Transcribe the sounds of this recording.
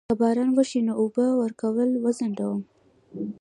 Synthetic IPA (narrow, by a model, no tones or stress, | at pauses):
abɑɾɑnwəʃinoubəwəɾkawəlwəzaɳɖ̪awum